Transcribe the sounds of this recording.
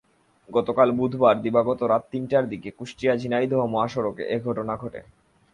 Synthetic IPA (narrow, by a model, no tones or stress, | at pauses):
ɡɔt̪okalbud̪ʱbaɾd̪ibaɡot̪oɾat̪t̪ːinʈaɾd̪ikekuʃʈijad͡ʑʱinajd̪ʱɔɦomoaʃoɾokḛʔeɡʱɔʈonaɡʱɔʈḛ